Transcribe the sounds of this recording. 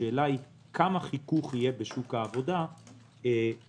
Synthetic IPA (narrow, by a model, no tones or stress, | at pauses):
eːlai | kʰamaχikuχijebeʃukaːvo̞da | e